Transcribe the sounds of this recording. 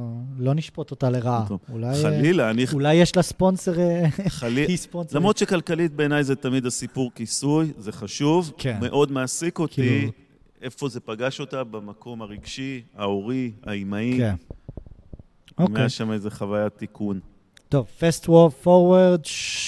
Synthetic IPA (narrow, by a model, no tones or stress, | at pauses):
lo̞niʃpo̞t̪o̞t̪aleʁaulajalilaːniulajːeʃlaspo̞nseʁealiisponslamʁod̪t͡ʃʃekalkalit̪̚be̞ːnajzet̪amid̪asipuʁkisujzeχaʃuvkʰenme̞ʔo̞d̪measikoti | efo̞ze̞paɡaʃo̞tabamako̞maʁiɡʃiaoʁia̰imaiken | omeeaʃamezeχavajat̪ːikʰun | to̞vfestwofoʁwaʁd